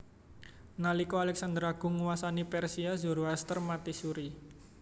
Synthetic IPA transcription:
nalikoalɛksand̪əɾaɡ̥ʊ̤ŋuwasanipɛrsiazuɾoɦast̪ərmat̪isuɾi

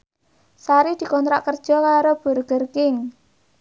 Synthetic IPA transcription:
saɾid̪̥i̤kɔnt̪ɾa̰ʔkərd̥ʒ̥ɔ̤kaɾob̥ə̤rɡ̥ərkɪŋ

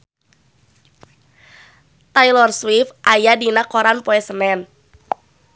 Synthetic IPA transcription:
t̪ajlɔrswifʔajadinakɔɾanpoɛsənɛn

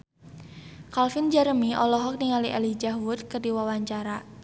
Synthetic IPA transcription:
kalfɪnd͡ʒɛɾəmiɔlɔɦɔk̚niŋaliʔalid͡ʒaɦwʊd̪kərdiwawaɲt͡ʃaɾa

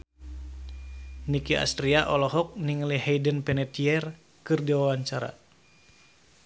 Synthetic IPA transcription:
nikia̰st̪ɾiaʔɔlɔɦɔk̚niŋlihɛjdənpɛnɛt̪iɛr | kɨrdiwawaɲt͡ʃaɾa̰

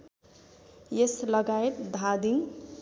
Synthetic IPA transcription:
jeslʌɡaet̪̚d̪ʱad̪iŋ

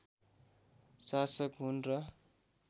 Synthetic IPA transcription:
sasʌkɦunrʌ

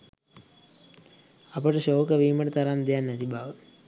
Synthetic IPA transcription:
ɐpɐʈɨʃoːkɐʋiːmɐʈt̪ɐɾaːnd̪jaːnːɐt̪ibʱaːʋ

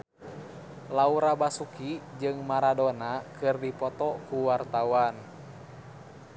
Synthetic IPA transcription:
lauɾabasukid͡ʒɨŋmaɾadonakɨrdipɔt̪ɔkuwart̪awan

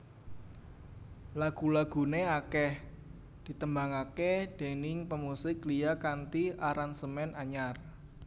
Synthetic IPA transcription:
laɡ̥ṳlaɡ̥ṳneakɛh | d̪̥i̤t̪əmbaŋaked̪̥e̤nɪŋpəmusɪkliakant̪iʔaɾansəmɛnaɲar

